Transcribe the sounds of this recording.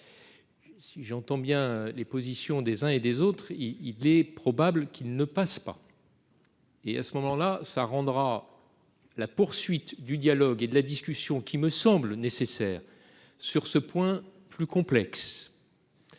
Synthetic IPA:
siʒɑ̃t̪ɑ̃bjɛ̃lepozisjɔ̃d̪ezɛ̃ed̪ezot̪χiilɛpχɔbablkʰilnəpaspa̰ | ea̰səmɔmɑ̃lasaʁɑ̃d̪ʁa | lapuʁsɥit̪d̪yd̪jalɔɡed̪əlad̪iskʲysjɔ̃kʲiməsɑ̃blnesesɛːʁ | syʁsəpwɛ̃plykɔ̃plɛks

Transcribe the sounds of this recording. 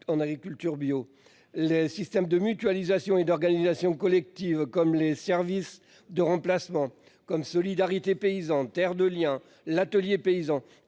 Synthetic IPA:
ɑ̃naɡʁikʲylt̪yʁbjo | lesist̪ɛmd̪əmyt̪ɥalizasjɔ̃ed̪ɔʁɡanizasjɔ̃kɔlɛk̚t̪ivkɔmlesɛʁvis | d̪əʁɑ̃plasmɑ̃ | kɔmsɔlid̪aʁit̪epeizɑ̃t̪ɛʁd̪əljɛ̃ | lat̪əljepeizɑ̃

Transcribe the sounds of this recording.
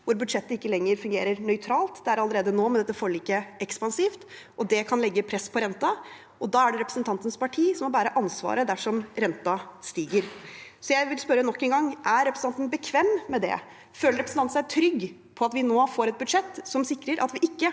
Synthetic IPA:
ʋʊɾbʉd̪ʂɛt̪ːəɪkːəlɛŋːəɾfʉŋɡeːɾəɾnœʏt̪ʰɾɑːlt̪d̪ɛæɾɑləɾeːd̪ənoːmɛnɛt̪ːəfɔɭiːkəʔɛkspɑnsiːft̪ʔɔd̪ɛkʰɑnlɛɡːəpʰɾɛspʰɔɾɛnt̪ɑ | ʔɔd̪ɑːæɖɛɾɛpɾəsn̩t̪ʰɑnt̪ənspɑʈʰiːsɔmːɔbæːɾəʔɑnsʋɑ̰ːɾəd̪æʂɔmɾɛnt̪ɑst̪iːɡəɾsɔjæɪʋɪlspœɾənɔkːɛŋɡɑŋːʔæɾɾɛpɾəs̩ɑnt̪nbəkʰʋɛmːɛd̪ɛ̰ | føːləɾɛpɾsn̩ɑnn̩æɪt̪ʰɾʏɡ | pʰɔɑt̪ʋɪnoːfoːɾɛt̪̚bʉd̪ʂɛt̪ːsɔmsɪkːɾəɾʔɑ̰t̪ʋɪʔɪkːə

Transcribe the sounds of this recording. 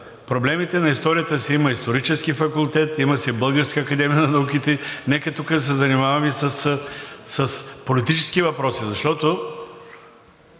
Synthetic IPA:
pɾoblɛmit̪ɛnɐist̪ɔɾijət̪əsiimɐist̪oɾit͡ʃɛsk̟ifɐkulˠt̪ɛt̪imɐsɛbɤlˠɡəɾskəːkɐd̪ɛmijənɐnɐuk̟it̪ɛnɛkɐt̪ukəd̪s̬ɛzɐnimavɐmisɐsː | ɐspolit̪it͡ʃɛ̥skivɐpɾɔsizɐʃt̪ɔt̪o

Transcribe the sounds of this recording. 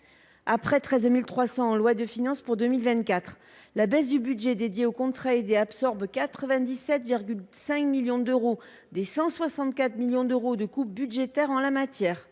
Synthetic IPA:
apχɛt̪χɛzmilt̪χwasɑ̃ɑ̃lwad̪əfinɑ̃spuʁd̪ømilvɛ̃nt̪̚kʲat̪χ | labɛs̬d̪ybydʒed̪ed̪jeokɔ̃t̪χaed̪eapsɔʁbkat̪χəvɛ̃d̪isɛt̪viʁɡʲylsɛ̃kmiljɔ̃d̪øʁo | d̪esɑ̃swasɑ̃t̪kʲat̪χmiljɔ̃d̪øʁod̪əkup̚byd̪ʒet̪ɛʁɑ̃lamat̪jɛːʁ

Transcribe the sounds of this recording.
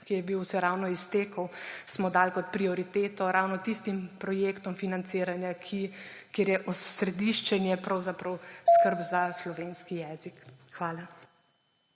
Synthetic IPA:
kijɛbiwusɛɾawnɔist̪eːkəwsmɔd̪aːlkɔt̪̚pɾiɔɾit̪eːt̪ɔɾawnɔt̪ist̪impɾɔjeːkt̪ɔmfinant̪siːɾanjakʰikeːɾjɛʔɔsɾɛd̪iʃt͡ʃɛnjɛpɾawzapɾɐwskəɾbzaslɔʋeːnskijɛːzikxʋaːla

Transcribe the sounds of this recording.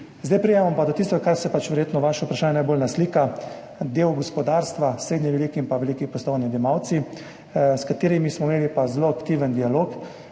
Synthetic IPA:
zd̪ajpɾijɛmampad̪ɔt̪ist̪ɔɡkaɾsɛpat͡ʃʋɛɾjeːt̪nɔʋaʃaupɾaʃaːnɛnajbolnasliːka | d̪eːwɡɔspɔd̪aːɾst̪ʋasɾeːd̪ɲɛʋɛlikiimpaʋɛlikipɔst̪ɔjnid̪ɛjɛmawt̪si | skat̪eːɾimismɔimeːlipazloakt̪iːʋənd̪ialok

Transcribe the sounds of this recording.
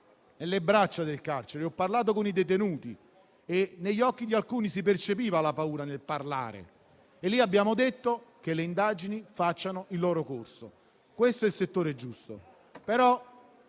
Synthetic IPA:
nelːebɾat͡ʃːad̪elkart͡ʃeɾeɔpːarlaːt̪̬okonid̪et̪enuːt̪i | eneʎːɔkːid̪ialkuːnisipert͡ʃepiːvalapauːɾanelparla̰ːɾḛ | elːiabːjaːmod̪et̪ːokelːeind̪aːd͡ʒinifat͡ʃːanoilːɔːɾokorso̰ | kwest̪oɛilset̪ːoːɾed͡ʒust̪o | peɾɔ

